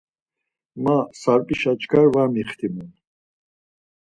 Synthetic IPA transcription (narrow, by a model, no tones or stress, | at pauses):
masaɾpʼiʃat͡ʃɡaɾvamiχt̪ʰimun